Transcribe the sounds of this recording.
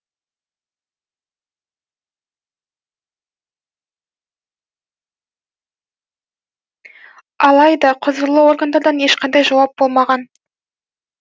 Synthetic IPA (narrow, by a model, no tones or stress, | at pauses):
ɑlˠɑjd̪ɑqʰʊzəɾlˠəwo̞rɡand̪ɑɾd̪ɑne̞ʃqʰɑnd̪ɑjʒɑwɑp̚bo̞lˠmɑʁɑn